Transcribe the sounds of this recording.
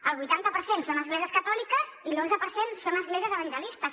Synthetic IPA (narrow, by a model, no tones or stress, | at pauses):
əlˠβujt̪ant̪əpəɾsensonəzɣlɛʒiəskət̪ɔlikəzilonzəpəɾsensonəzɣleʒiəzəβənʲʒəlist̪əs